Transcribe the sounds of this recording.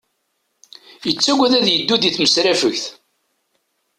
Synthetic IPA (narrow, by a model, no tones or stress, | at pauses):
jət͡sːæɡʷæðæðjəd̪ːuðiθməsɾæfəçθ